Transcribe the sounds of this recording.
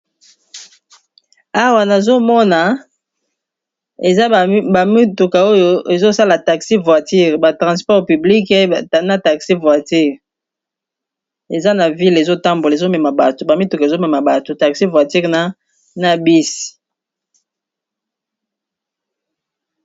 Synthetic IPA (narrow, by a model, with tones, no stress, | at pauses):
a˦wa˨na˨zo˦mɔ˦na˨ | e˨za˦˨a˨i˦tu˨ka˨o˦jo˨ʔe˨zo˦sa˦la˨ta˨ksi˦vwa˨ti˦ʁba˨tʁã˨spɔ˦ʁpy˨bli˦ke˦˨na˦˨ta˨ksi˦vwa˨ti˦ʁ | e˨za˦na˨vi˦le˨zo˦ta˦mbo˨la˨e˨zo˦mɛ˨ma˨ba˨to˨ba˨mi˦tu˨ka˨e˨zo˦mɛ˨ma˨ba˨to˨ta˨ksi˦vwa˨ti˦ʁna˦ | na˨bi˦si̥˨